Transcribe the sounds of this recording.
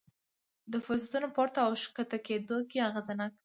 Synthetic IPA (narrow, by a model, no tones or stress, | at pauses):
d̪əfʊɾs̬at̪unopɑɾt̪aawʃkat̪aked̪okiaɣazanak̚